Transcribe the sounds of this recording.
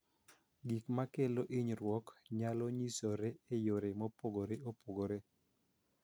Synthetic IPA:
ɡikmakeloʔiɲɾwɔkɲalɔɲisoɾeejoɾemopoɡoɾeopoɡoɾe

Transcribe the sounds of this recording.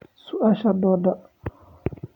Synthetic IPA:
suʔaʃadɔda

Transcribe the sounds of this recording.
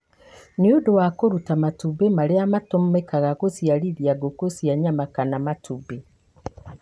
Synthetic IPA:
neodowakoɾutamatubemaɾeamatommekaɣaɣosiaɾiðiaɡokosiaɲamakanamatʰube

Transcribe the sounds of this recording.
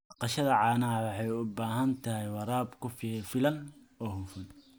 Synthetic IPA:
bɑqɑʃɐðɐʕɑːnɐɐwɑħɑjʊbaːɦɐnt̪ʰɐɦɛjwɐɾaːbkʰʊffɪlɐn | ɔːhʊfʊn

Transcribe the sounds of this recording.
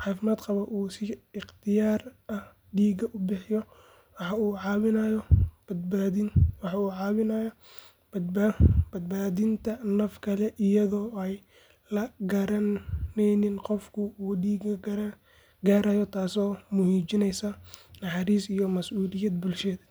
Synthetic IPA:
ħɑːfɪmaːd̪qɑβɐʔuːsɪɪχt̪ʰɪjaːrɐh | ɖiːɡɐʔʊbɪħɪjɔ | wɑħɑuːʕɑːβɪnajɔbd̪baɪwɑħɑuːʕɑːβɪnɐjɐ | b̥ɐd̪̚baːðɪnt̪ʰɐnɐfkʰɐlɛʔɪjɐðɔːɛj | lɐɡɐɾɐnɛjnɪnqɔfkʰʊuːɖiːɡɐ | ɡaːɾajɔt̪ʰaːsɔːmʊhiːt͡ʃɪnɛjsɐnɑħɑɾiːsijɔmɐsʔuːlɪjɐd̪bʊlʃɛːd̪ɐ

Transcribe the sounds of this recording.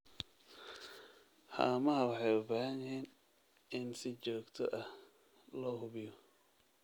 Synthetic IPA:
ha̰ːmɐɦɐwɑħɑjʊbaːhɐnjɪhiːn | ʔɪnsɪt͡ʃɔːɡt̪ʰɔ̰ʔɐh | lɔːhʊβɪjɔ

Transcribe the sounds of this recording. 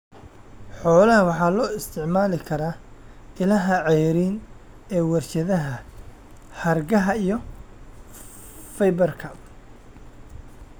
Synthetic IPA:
ħɔːlɐɦɐwɑħɑːlɔːɪst̪ʰɪʕmaːlɪkʰɐɾaːʔɪlɐɦɐʕɛjɾiːn | ɛːwɐrt͡ʃɐðɐɦɐ | hɐrɡɐɦɐijɔ | fɛjbɐrkʰɐ

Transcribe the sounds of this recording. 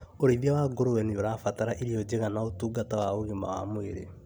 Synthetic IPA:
oɾiðjawaɡoɾowɛnioɾafataɾaʔiɾiɔd͡ʑeɣanaotuːɡatawaoɣimawa̰moeɾḛ

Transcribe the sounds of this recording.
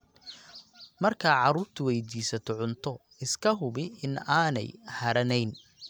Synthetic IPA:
mɐrkʰaːʕɑɾuːrt̪ʰʊwɛjd̪iːsɐt̪ʰɔʕʊnt̪ʰɔ | ɪskʰɐɦʊβɪɪnaːnɛ̰jhɐɾɐnɛjn

